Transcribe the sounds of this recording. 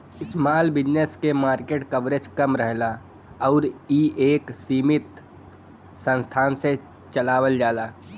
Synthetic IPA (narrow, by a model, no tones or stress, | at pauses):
ɪsmaːlbɪd͡ʒneskemaːɾkeːʈkəʋɾed͡ʒkɐmɾəɦla | ɔːɾiːʔeːksiːmɪt̪ | sə̃nst̪ʰaːnse | t͡ʃəlaːʋəld͡ʒaːlaː